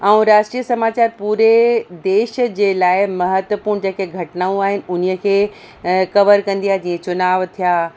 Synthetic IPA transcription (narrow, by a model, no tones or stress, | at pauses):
ãũɾaːʃʈɾiːəsɐmaːt͡ɕaːɾpuːɾed̪eːʃəd͡ʑeːlaːɪmɐɦət̪ʋəpuːɾɳ̃d͡ʑeːkeɡʱɐʈnaːũaːɦɪnɪ̆ʊn̤ijəkʰeː | kɐʋəɾkɐ̃nd̪ijaːɦed͡ʑiːẽt͡ɕʊnaːʋt̪ʰijaː